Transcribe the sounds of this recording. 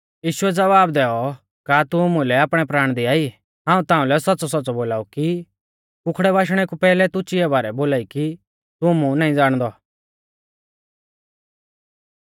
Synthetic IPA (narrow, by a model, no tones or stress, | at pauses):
jiːʃʊɛd͡zɐʋaːbd̪ɛːɔ | kat̪umũlɛaːpɽ̃ɛpɾaːɽ̃d̪iaːi | ɦãːũt̪ãːũlɛsɐtːsɔs̬ɔtːt͡sɔboːlaːuki | kʊkʰɽɛβaːʃ̬ɽ̃ɛkupɛːlɛt̪ʊt͡ʃɪɛbaːɾɛboːlaːiki | t̪ʊmũnaːĩd͡zaːɽ̃d̪ɔ